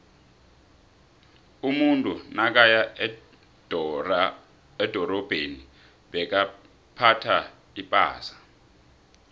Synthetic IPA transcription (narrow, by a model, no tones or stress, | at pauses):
umuntʼunak̬aja | ɛd̥ʱɔrɔb̥ʱeni | ɓɛk̬a | pʰatʰa | ipʼa̰ːsḁ